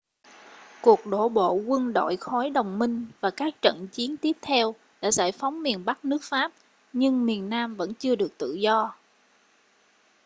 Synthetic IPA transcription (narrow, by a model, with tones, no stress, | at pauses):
ku˨˩ək̚ɗo̰˧˩ɓo̰˧˨ɣwə˧nɗo̰˧˨jxɔ˨˦jɗə˨˩wŋ͡mmï˧ŋ̟vaː˨˩kaː˦˥k̚t͡ɕə̰˧˨nt͡ɕi˨˦ənt̪i˦˥əp̚t̪ʰɛ˧w | ɗa̰ː˧˥za̰ː˧˩jfa˨˦wŋ͡mmi˨˩ənɓa˦˥k̚nɨ˦˥ək̚faː˦˥p̚ | ɲɨ˧ŋmi˨˩ənːaː˧mvə̰˧˥nt͡ɕɨ˧əɗɨ˨˩ək̚t̪ɨ̰˧˨zɔ˧